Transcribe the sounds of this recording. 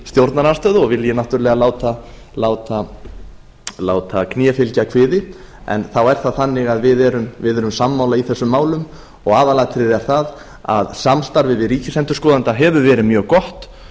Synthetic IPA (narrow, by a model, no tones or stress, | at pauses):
st̪jowɾt̪naɾast̪œːðɔɣvɪljɛnaht̪ʏɾlɛɣalaːwt̪a | laːwt̪a | laːwt̪ʰaknjɛːfɪlcakʰvɪːðɪɛ̰nθawɛɾ̥θaðθanːɪɣaðvɪðɛɾʏmvɪðɛɾʏmsamːawlaiθɛsːʏmːaːwlʏm | ɔɣaːvalat̪ʰɾɪɾɛɾ̥θað | a̰ðsamst̪aɾvɪvɪðɾiːcɪsɛnt̪ʏɾ̥skɔːðant̪aɦɛvʏvɛːɾɪmjœːɣkɔht̪